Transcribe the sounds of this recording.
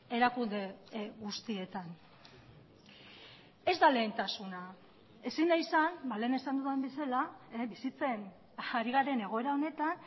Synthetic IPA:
e̞ɾakund̪e̞ɣust̪ie̞t̪an | e̞zd̪ale̞ːnt̪asuna | e̞sinajsanbale̞ːne̞sand̪uðembesalabisit͡se̞n | aɾiɣ̞aɾe̞ne̞ɣ̞o̞e̞ɾao̞ne̞t̪an

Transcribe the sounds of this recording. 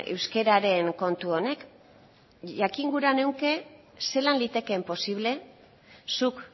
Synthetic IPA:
ḛwske̞ɾaɾe̞ŋko̞nt̪uo̞ne̞k | ʝakiŋɡuɾane̞wke̞ | se̞lanlit̪e̞ke̞mpo̞siβ̞le̞ | suk

